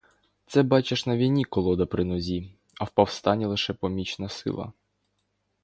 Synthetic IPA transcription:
t̪sɛbɑt͡ʃeʃnɐʋʲijnʲikɔlˠɔd̪ɐpɾɪnɔzʲi | ɐwpɔwst̪ɑnʲilˠɪʃɛpɔmʲit͡ʃnɐsɪ̰lˠɐ̰

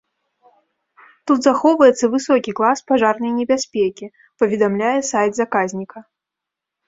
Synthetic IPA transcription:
t̪ut̪zaxɔwvɐjɛt̪sːɐvɨsɔkʲiklˠaspaʐarnɐjnʲɛbʲasʲpʲekʲi | pɐvʲɛd̪amlʲajɛsajd̪zakazʲnʲikɐ

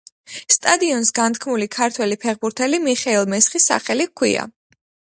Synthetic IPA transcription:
st̪ʼad̪iɔnsɡant̪ʰkʰmulikʰaɾt̪ʰwɛlipʰɛχbuɾt̪ʰɛlimiχɛilˠmɛsχisa̰χɛlikʰwḭa̰

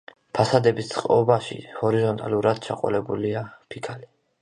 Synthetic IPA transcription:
pʰasad̪ɛbist̪sʼχqʼɔbaʃḭhɔɾizɔnt̪ʼa̰luɾad̪̥t͡ʃʰa̰qʼɔ̰lɛbuliapʰikʰali

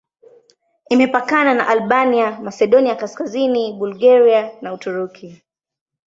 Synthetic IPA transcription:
imɛpakanana̰ʔalɓaniamasɛɗɔniakaskaziniɓulɡaɾianautuɾukʰi

